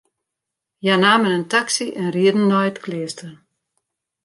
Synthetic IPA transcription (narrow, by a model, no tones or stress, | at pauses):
janaːmənəntaksiʔɛnriədn̩ːɔjtklɪːstən